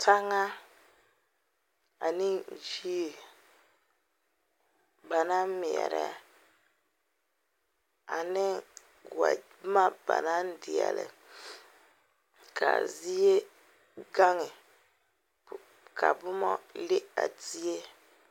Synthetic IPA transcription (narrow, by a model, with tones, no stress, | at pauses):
tʰa˦ŋa˦ | a˨nɪ˦˨ʒi˦˨ | ba˨na˦mi˨ɛ̰˨ɾɛ̰˨ | a˨nɪ˦ | wa˨˦ | ma˦ba̰˨na˦n̩˦dɪ˨ɛ̰˨lɪ̰˨ | kʰa̰˨zi˦e˦ | ɡa˦ŋɪ˨ | kʰa˨bʊ˦mɔ̰˦lɪ˦a̰˨di˦e˦